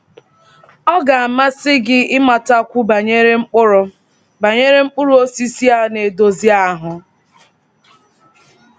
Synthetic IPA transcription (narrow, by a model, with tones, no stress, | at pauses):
ɔ˦ɡa˨a˨ma˦sɪ˦ɡɪ˦ɪ˦ma˨ta˦kʷu˦ba˨ɲe˦ɾe˦ŋ͡m̩˦k͡pʊ˦ɾʊ˦ | ba˨ɲe˦ɾe˦ŋ͡m̩˦k͡pʊ˦ɾu˦o˦si˦si˦a˦ne˨do˨zi˦a˦˨˦ɦʊ˨